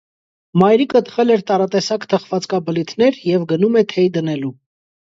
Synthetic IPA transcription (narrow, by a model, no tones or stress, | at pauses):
mɑjɾikət̪ʰə̥χɛlɛɾt̪ɑɾɑt̪ɛsɑkt̪ʰəχvɑt͡skɑbəlit̪ʰnɛɾjɛvɡənumɛt̪ʰɛjd̪ənɛlu